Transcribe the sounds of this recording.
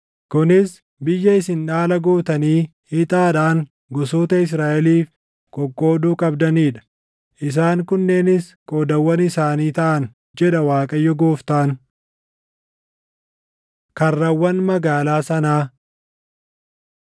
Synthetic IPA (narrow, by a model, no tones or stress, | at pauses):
kʊnɪs | bɪjːɐɪsɪnᶑaːlɐɡoːt̪ɐniːhɪt̪ʼaːᶑaːŋ | ɡɔsoːt̪ɐɪs̬ɾaːʔɛliːf | kʼɔkʼːo̞ːd̪uːkʼɐbd̪ɐniːᶑɐ̥ | ʔɪs̬aːŋkʊnːe̞ːnɪskʼoːd̪ɐwːɐnɪsaːniːt̪ɐʔɐn | d͡ʒɛᶑɐwaːkʼɐjːɔɡoːft̪aːn | kɐrːɐwːɐnmɐɡaːlaːsɐnaː